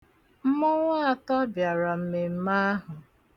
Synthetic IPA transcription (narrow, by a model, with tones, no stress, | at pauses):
m̩˦mʊ˦ŋʷa˦a˨tɔ˦bja˨ɾa˨m̩˦me˨m̩˦ma˦a˦ɦʊ˨